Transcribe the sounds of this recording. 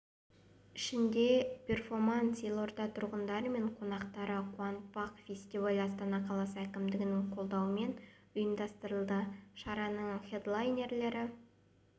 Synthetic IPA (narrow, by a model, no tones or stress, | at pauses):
ɪʃɪnd̪e̞pʰʲe̞rfo̞rmant̪silˠo̞rd̪ɑt̪ʰʊɾʁənd̪ɑɾəme̞ɴqʰo̞nɑqt̪ɑɾəqʰuɑnt̪̚pɑqfʲe̞sʲt̪ʲivalʲɑst̪ɑnɑqʰɑlˠɑsəækʲɪmd̪ɪɡʲɪnɪŋqʰo̞lˠd̪ɑwəme̞n | ʊjəmd̪ɑst̪əɾəlˠd̪əʃɑɾɑnəɴχed̪lˠajnʲe̞rle̞ɾɪ